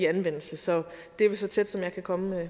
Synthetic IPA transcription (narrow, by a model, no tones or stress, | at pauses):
iænʋen̰l̩səsɒ̽d̥e̝ɐʋelsɒ̽t͡sʰed̥sɒ̽mjɑ̈ɪkʰækʰɒ̽mə